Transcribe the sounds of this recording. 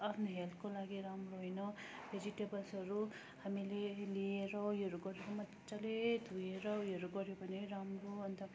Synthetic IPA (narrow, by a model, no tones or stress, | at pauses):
apʰnoɦelpʰkolaɡiɾamɾoɦojnʌbʱed͡ʒiʈebʌlsʌɾu | hamilelieɾʌjʌɾuɡʌɾeɾomʌt̪ːt͡ʃʌlet̪ujeɾʌjɦʌɾuɡʌɾjobʱʌneɾamroʌnt̪ʌ